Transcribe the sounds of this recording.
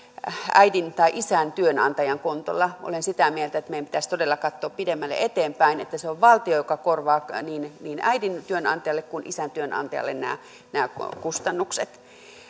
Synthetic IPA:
æ̰idint̪ɑiʔisænt̪yønɑnt̪ɑjɑŋkunt̪o̰lːɑʔo̰lensit̪æmielt̪æet̪meijæmpit̪æst̪odelːɑkɑt̪ːoːppidemːælːḛʔet̪eːmpæinḛt̪ːæseoʋʋɑlt̪iojokɑkorʋɑːniːnniːnæ̰idint̪yønɑ̰nt̪ɑjɑlːekkunʔḭsænt̪yønɑ̰nt̪ɑjɑ̰lːḛnnæ̰ː | næːkust̪ɑnːukset̪

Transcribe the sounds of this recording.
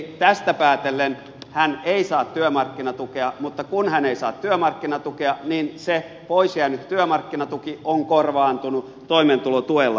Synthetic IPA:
t̪æst̪æpæːt̪elːen | hæneisɑːt̪t̪yømɑrkːinɑt̪ukeɑmut̪ːɑkunhæneisɑ̰ːt̪t̪yømɑrkːinɑt̪ukeɑninse | poisjæːnyt̪tyømɑrkːinɑt̪ukioŋkorʋɑːnt̪unu | t̪oiment̪ulot̪uelːɑ

